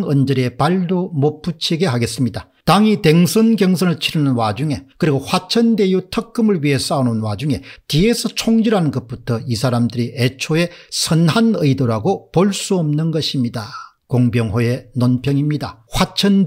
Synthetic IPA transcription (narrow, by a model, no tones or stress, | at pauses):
ŋʌnd͡ʑɯɾe̞paɭdomop͈ʰːut͡ɕʰiɡe̞ɦaɡe̞s͈ɯmɲida | taŋite̞ŋsʰɯnɡjʌŋs̬ʰʌnɯɭt͡ɕʰiɾɯnɯnwad͡ʑuŋe̞kɯɾiɡoɸwat͡ɕʰʌnde̞jutʰʌk͈ːɯmɯɭɥiɦe̞s͈aunɯnwad͡ʑuŋe̞tiesʰʌt͡ɕʰoŋd͡ʑiɾɦanɯnɡʌt̚p͈utʰʌisʰaɾamdɯɾiʔet͡ɕʰoe̞sʰʌnɦanɯidoɾaɡopoɭs͈uʌmnɯnɡʌɕʰimɲida | koŋbjʌŋɦoe̞nonpʰjʌŋimɲidaɸwat͡ɕʰʌn